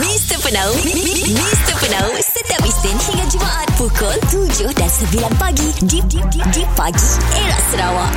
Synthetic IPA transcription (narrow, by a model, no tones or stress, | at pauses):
mist̪əpənãw | mist̪əpənawsət̪iap̚ist̪ɪnhiŋãt̪̚d͡ʒəmaʔat̪̚pukɔlkud͡ʒʊhdansəbilanpaɡididididipaɡieɾa̰ʔsəɾawaʔ